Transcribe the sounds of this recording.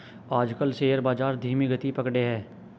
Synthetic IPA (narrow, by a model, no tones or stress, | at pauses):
aːd͡ʒkəlseːjəɾbaːd͡ʒaːɾd̪ʱiːmiɡət̪ipɐkɽeɦɛː